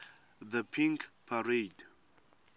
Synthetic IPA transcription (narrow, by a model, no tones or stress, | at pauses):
ðəpʰĩŋkpʰared